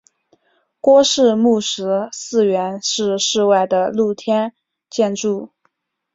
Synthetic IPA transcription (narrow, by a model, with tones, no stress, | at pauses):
kwɔ˥ʂɻ̩˥˧mu˥˩ʂɻ̩˧˥sɹ̩˥˧ɥɛ˧˥nʂɻ̩˥˧ʂɻ̩˥˧wa˥˩ɪd̪ə˩lu˥˩t̪ʰjɛ˥n | t͡ɕjɛ˥˧nʈ͡ʂu˥˩